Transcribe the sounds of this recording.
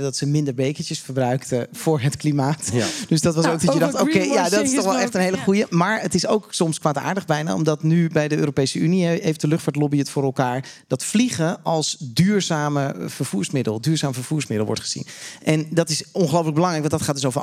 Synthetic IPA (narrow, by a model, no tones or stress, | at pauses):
dɑtsəmɪndəɹbejkət͡ʃəsfəɹbrœɥktəv̥ʊːɹɦətklimaːtd̥øsdɑtʋɑsowɡ̚dɔjədɑtokejjadɔtɪstɔχɛlˠɛχtənɦeɪjləχujəmaːɹətɪsowksɔmskʋaːta̰ːɹdəχbɛjna̰ːɔ̰mdɑtnybɛjdəøːɾowpejsəyniɛejftdəlʏχtfaːtlɔbiətfʊːɾɛlˠkaːɹd̥ɑtfliχəɑlˠsdyːɹzaːməv̥əɹv̥uːɹsmɪdəlˠdyːɹzaːməvəɹv̥uːɹsmɪdlˠʋɔ̰ɹtχəz̥ḭnʔɛndɑtɪsɔnχəlowpləɡ̚bəlɑŋrɛjk̚ʋɑndɑtχaːtdɵs̬owvə